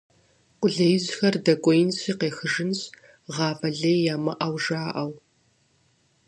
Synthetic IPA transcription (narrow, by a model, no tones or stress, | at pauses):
qʷʼʊɮɐjɪzxɐrdɐkʷʼɔjɪnɕiːqeːxɨʒɨnɕ | ʁɑːfɐɮeːjaːmɐʔɐwʒaːʔɐw